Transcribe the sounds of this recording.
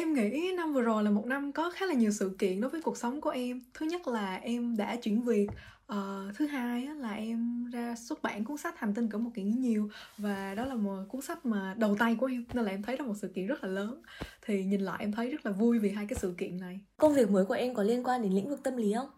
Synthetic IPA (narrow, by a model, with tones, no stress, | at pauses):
ʔɛ˧mŋḭ˧˥na˧mvɨ˨˩əzo˨˩jlaː˨˩mo˨˩t̚na˧mkɔ˨˦xaː˨˦˥laː˨˩ɲi˨˩əwsɨ̰˧˨kḭ˧˨ənɗo˨˦jvə˨˦jku˨˩ək̚sa˨˦wŋ͡mku˧˩əʔɛ˧mt̪ʰɨ˨˦ɲə˦˥t̚laː˨˩ʔɛ˧mɗa̰ː˧˥t͡ɕwḭ˧˩ənvi˨˩ək̚ | ʔəː˨˩t̪ʰɨ˨˦ɦaː˧jʔaː˨˦laː˨˩ʔɛ˧mzaː˧swu˦˥t̚ɓa̰ː˧˥˩nku˧˦ənsa˦˥t̚t̪ʰa˨˩ŋt̪i˧nŋkɨ˧˩mo˨˩t̚ki˧˩ŋi˨˦ɲi˨˩əwvaː˨˩ɗɔ˨˦laː˨˩mo˨˩t̚ku˨˦ənsa˦˥k̚maː˨˩ɗə˨˩wt̪a˧jku˧˩ʔɛ˧mne˧laː˨˩ʔɛ˧mt̪ʰə˨˦jɗɔ˨˦mo˨˩t̚sɨ̰˧˨kḭ˧˨nzt̚laː˨˩ləː˨˦nt̪ʰi˨˩ɲi˨˩nla̰ː˧˨ʔɛ˧mt̪ʰə˨˦jzə˦˥t̚laː˨˩vu˧jvi˨˩ɦaː˧jkaː˨˦jsɨ̰˧˨kḭ˧˨ənːa˨˩jkə˧ŋ͡mvi˨˩ək̚məː˨˦jku˧˩əʔɛ˧mkɔ˨˩nli˧ənkwaː˧nɗe˨˦nlḭ˧˥ŋvɨ˨˩k̚t̪ə˧mli˨˦ə˧wŋ͡m